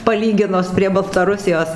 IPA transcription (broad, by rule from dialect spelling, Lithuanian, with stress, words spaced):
pɐˈlʲiːɡʲɪnʊs pʲrʲiɛ bɐlˠtɐˈrʊsʲɪjoːs